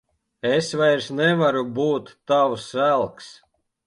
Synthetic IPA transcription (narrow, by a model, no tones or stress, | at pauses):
ɛsvajɾsnɛvaɾubuːt̪ːawsælˠks